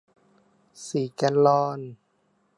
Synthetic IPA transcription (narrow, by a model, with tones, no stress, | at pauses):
siː˨˩˦ka˧nlɔː˧n